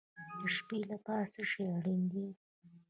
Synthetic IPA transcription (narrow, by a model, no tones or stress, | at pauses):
d̪̥əʃpelapɑsaʃeaɽind̪i